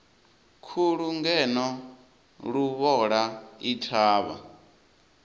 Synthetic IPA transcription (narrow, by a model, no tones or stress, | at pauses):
kʰuɺuŋɡɛnɔ | ɺuβɔɺaitʰaːβa̰